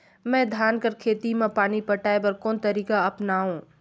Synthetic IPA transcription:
mɛ̃ːd̪ʱaːnkɐɾkʰeːt̪imẽpaːñipɐʈaːepɐɾkoːnt̪ɐɾiːkaɐpnaːɦũː

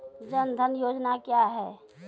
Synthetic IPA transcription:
d͡ʒənd̪ʱənjoːd͡ʒnakjaɦɛː

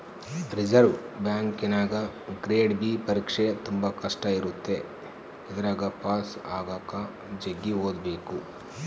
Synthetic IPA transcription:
ɾid͡ʒɐɾʋbjaːŋkinaːɡɐɡɾeːɖbiːpɐɾiːkʂet̪umbɐkɐʂʈɐiɾut̪ːe̞ | id̪ɐɾaːɡɐpaːsaːɡaːka | d͡ʒɐɡːiɦoːd̪be̞ːku

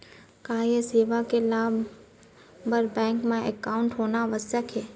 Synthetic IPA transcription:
kaːjeseːʋakelaː | bəɾbɛ̃ːŋkmẽʔɛkaːʊ̃ɳʈɦoːnaʋəsjəkʰeː

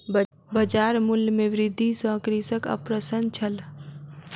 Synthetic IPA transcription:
bəd͡ʒaɾmuljmeʋɾɪd̪ʱːisə̃kɾisəkə̰pɾəsənt͡ʃʰəl

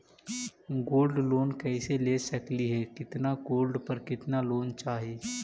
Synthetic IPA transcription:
ɡoːlɖloːnkɛːseleːsɐkliɦɛkɪt̪naɡoːlɖpɐɾkɪt̪naloːnt͡ʃaːɦeː

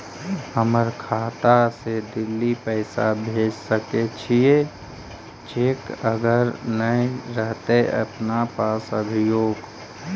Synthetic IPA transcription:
həməɾkʰaːt̪ased̪ɪlːipəɪsabʱeːd͡ʒsəket͡ʃʰie | t͡ʃekəɡəɾnəiɾəɦt̪eʔə̰pnapaːsəbʱɪjoːɡ

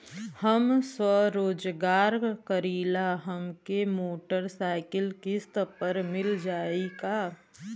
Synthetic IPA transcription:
hɐmswəɾoːd͡ʒɡaːɾkəɾiːlaɦɐmkemoːʈəɾsaːɪkəlkɪst̪pɐɾmɪld͡ʒaːikaː

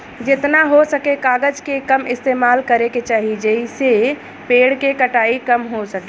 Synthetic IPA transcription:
d͡ʒɪt̪naɦosəkekaːɡəd͡ʒkekəmɪst̪eːmaːlkəɾeket͡ʃaːɦid͡ʒeise | peːɽkekəʈaːikəmɦosəke

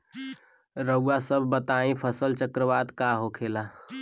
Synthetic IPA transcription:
ɾəuːasəbʱbət̪aĩpʰəsəlt͡ʃəkɾəʋad̪kaɦokʰela

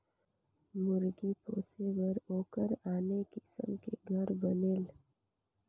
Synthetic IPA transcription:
mʊɾɡipoːseʋəɾoːkəɾaːnekɪsə̰mkeɡʱɐɾbɐnel

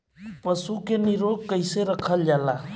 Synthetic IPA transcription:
pəsukenɪɾoːɡ̚kəɪseɾəkʰəld͡ʒaːla

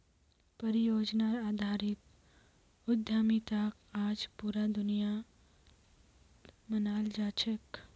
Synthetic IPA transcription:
pɐɾijoːd͡ʒnaaːd̪ʱaːɾɪt̪ | ʊd̪ʱjaːmit̪akaːd͡ʒpuːɾad̪ʊnija | mənaːld͡ʒaːt͡ʃək

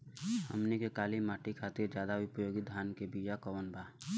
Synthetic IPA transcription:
hə̰mnikekaːlimaːʈikʰaːt̪iɾd͡ʒjaːd̪aʊpɾəjoːɡid̪ʱjaːnkebiːjakɔʋənbʱaː

